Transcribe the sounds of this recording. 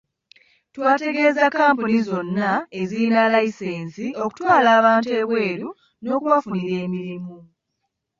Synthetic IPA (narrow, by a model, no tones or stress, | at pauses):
twaːte̞ɡe̞ːzakːaːmpunizo̞nːae̞ziinalaise̞ːnsio̞ku̥twaːlaːβaːntue̞ːβwe̞ːɾu | no̞ːkuβafuniɾe̞ːmiɾimu